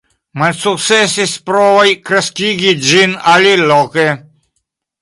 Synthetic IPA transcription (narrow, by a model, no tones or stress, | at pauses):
malʲsuk̪sɛsispɾɔvajkɾaskʲiɡid͡ʒinalilɔke